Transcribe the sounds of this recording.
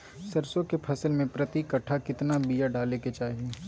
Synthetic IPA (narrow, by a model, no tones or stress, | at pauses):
sɐɾsõkepʰɐsəlmẽpɾɐt̪ikɐʈʰːakɪt̪nabijaɖaːleket͡ʃaːɦie